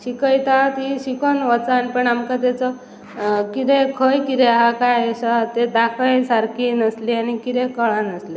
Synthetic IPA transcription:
ɕikəjt̪at̪iɕikənʋət͡sanpəɳamkat̪at͡sɔ | kit̪ekʰəjkit̪ɛɦakajsat̪ed̪akʰə̃jsaɾkinəslianikit̪ɛkəɭanəsle

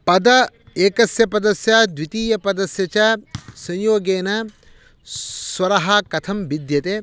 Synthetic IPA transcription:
pɐd̪ɐ | eːkɐsjɐpɐd̪ɐsjad̪wit̪iːjɐpɐd̪ɐsjɐt͡ʃɐsɐ̃ɲjoːɡeːnɐ | swɐɾɐɦɐkɐt̪ʰɐmbid̪jɐt̪e

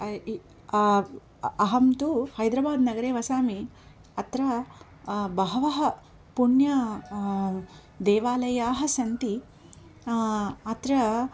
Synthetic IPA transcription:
ɐɦɐmt̪uhɐjd̪ɾɐbaːd̪nɐɡɐɾeːʋɐsaːmi | ɐt̪ɾɐ | bɐɦɐʋɐɦɐ | puɳjɐ | d̪eːʋaːlɐjaːɦɐ̆sɐnt̪i | ɐt̪ɾɐ

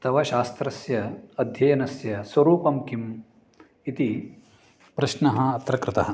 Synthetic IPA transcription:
t̪ɐʋɐʃaːst̪ɾɐsjɐɐd̪ʱjɐjɐnɐsjɐswɐɾuːpɐmkim | it̪i | pɾɐʃnɐɦɐːt̪ɾɐkɾɪt̪ɐɦɐ

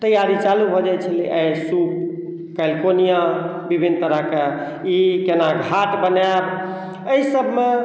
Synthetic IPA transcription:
t̪əjaɾit͡ʃalubʱɔd͡ʒat͡ʃʰəlḭʔəjsup̚ | kəlkonija | bibʱinːt̪əɾəɦke | ikenaɡʱaʈbənab | əisəbme

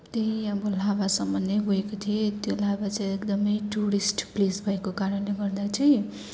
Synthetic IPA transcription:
t̪eĩʌbʌlabasʌmːʌnːeɦoekot̪ʰiet̪jolabat͡saj̃ekd̪ʌmʌjʈuɾisʈplisbʱʌekokaɾʌnleɡʌrd̪at͡sʌĩ

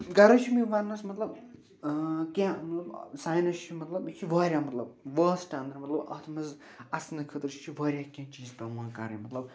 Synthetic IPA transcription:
ɡɐɾɐt͡ʃʰimiʋɐnːɐsmɐt̪lɐb | kʲãmɐt̪lɐbsaːjnɐst͡ʃʰimɐt̪lɐbkʰiʋaːɾjaːmɐt̪lɐb̚ʋɐːsʈaːnd̪ɐɾɖmɐt̪lɐbɐ̰t̪ʰmɐz | ɐsnɨkʰɨt̪ɨɾt͡ʃt͡ʃʰiʋaːɾjaːkʲãːt͡ʃiːzpʲɐmãːkɐɾɐ̰mɐt̪lɐb̚

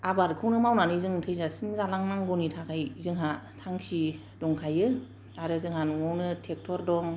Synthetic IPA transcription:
abaɾkʰɯwnɯmawnanɯzɯŋtʰɯjzasiŋzalaŋnaŋɡɔnitʰakʰajzɯŋɦatʰaŋkʰi | dɔŋkʰajɯ | aɾɯzɯŋhanŋɔwnɯtʰek̚tʰɔɾdɔŋ

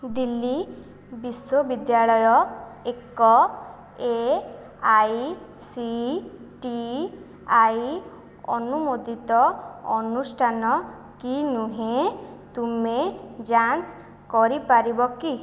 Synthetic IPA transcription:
d̪ilːi | biswoɔbid̪jaɭɔjɔ | ekɔ | e | aj | si | ʈi | aj | ɔnumod̪ʱit̪ɔɔnusʈʰanɔ | kinuɦẽt̪umed͡ʒant͡ʃ | kɔɾipaɾibɔki

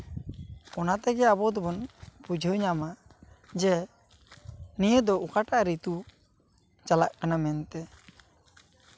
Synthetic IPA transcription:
ɔnat̪ɛɡɛabɔd̪ɔbɔnpud͡ʒʱəɲama | d͡ʒɛ | nijəd̪ɔukaʈaʔɾit̪u | t͡ʃalaʔkanamɛnt̪ɛ

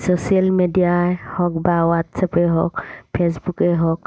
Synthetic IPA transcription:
sosialmediahɔkbawat̪sapeɦɔ̰kpesbukeɦɔk

